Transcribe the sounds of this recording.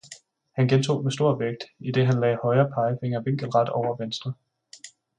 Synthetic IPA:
hænɡ̥ent͡sʰo̝̰ːmesd̥o̝ɐ̰ʋeɡ̥̚d̥id̥e̝ɦænlɛ̰ːhɒ̽ɪɐːpʰɑ̈ɪəfe̝ŋ̰ɐʋe̝ŋ̰ɡ̥əl̩ʁɑ̈d̥ɒʊ̰ɐʋensd̥ʁɐ

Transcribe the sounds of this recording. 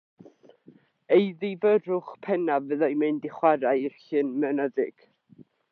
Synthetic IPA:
ejðivəɾʊχpʰɛnavəðajmɨndɪχwaɾaɨr̥ɬɨnmənəðɪɡ̥

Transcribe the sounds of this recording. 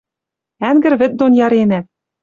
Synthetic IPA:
æŋɡɘ̆ɾβɘ̆t̪̚d̪onjɑɾenæ

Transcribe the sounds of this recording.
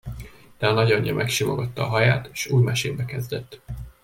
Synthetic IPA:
d̪̥ɛɒnɒɟɒɲːɒ̰mʔɛkʃimoɡɒt̪ːɒːɦɒjaːt̪ːʃuːjmɛʃeːbɛkɛzd̪ɛt̪ː

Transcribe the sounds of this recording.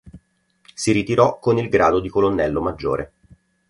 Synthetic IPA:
siɾit̪iɾɔkːonilɡɾaːd̪od̪ikolonːɛlːomad͡ʒːo̰ːɾʔe

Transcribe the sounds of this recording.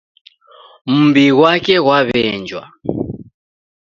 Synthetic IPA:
m̩mbiɣwakɛɣwaβɛnd͡ʒwa̰

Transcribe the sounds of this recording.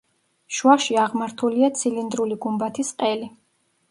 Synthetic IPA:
ʃwaʃiaʁmaɾt̪ʰuliat̪sʰilind̪ɾuliɡumbat̪ʰisqʼɛli

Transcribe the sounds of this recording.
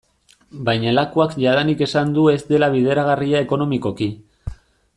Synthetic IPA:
bajɲalakuakʝaðanike̞sand̪ue̞zd̪e̞laβið̞e̞ɾaɣariae̞ko̞no̞miko̞ki

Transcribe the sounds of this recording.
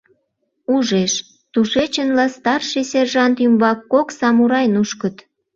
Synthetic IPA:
uʒeʃ | t̪uʃet͡ɕənlɑst̪ɑrʃesʲerʒɑnt̪ymβɑkːoksɑmuɾɑjnuʃkət̪

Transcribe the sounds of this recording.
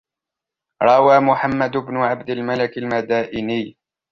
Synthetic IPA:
ɾˤɑwaːmʊħamːad̪ʊbnʊʕabd̪ɪlmalakalmad̪aːʔɪnɪj

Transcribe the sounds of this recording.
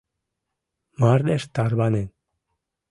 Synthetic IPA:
maɾd̪eʃt̪aɾβanen

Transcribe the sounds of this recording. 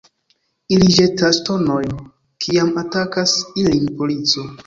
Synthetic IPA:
ilid͡ʒetasto̞no̞jn | kʰiamatakasilinpo̞lit͡so̞

